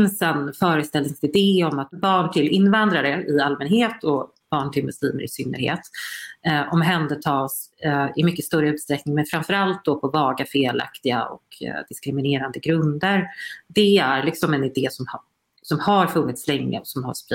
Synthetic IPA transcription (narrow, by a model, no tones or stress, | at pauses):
nsənfœːɾəst̪ɛlnɪŋsɪd̪eːɔmat̪bɑːɳʈʰɪlɪnːvand̪ɾaɾəɪalmɛnheːt̪ʰɔ | b̥ɑːɳʈʰɪlmɵsḭːnə̰ɾɪ̰sʏnːə̰ɾhḛːt̪ | ʔɔmɦɛnd̪ətʰɑːsɪmʏkːəst̪œɾəʉ̟t̪st̪ɾɛknɪŋmɛnfɾamfœɾalt̪̚d̪ɔpʰɔvɑːɡafeːla̰kt̪ɪɡa̰ɔ̰kd̪ɪskɾɪmɪneːɾand̪əɡɾɵnd̪əɾd̪ɛæɾlɪksɔmɛnɪd̪eːsɔmh | sɔmhaɾfɵnːɪt̪slɛŋːə̰ɔsɔmhaspɾ